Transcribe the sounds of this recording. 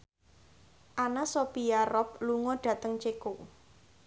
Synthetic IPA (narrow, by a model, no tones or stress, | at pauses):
ʔanasopijaɾɔp̚luŋɔɖ̥ä̤t̪əŋt͡ʃeko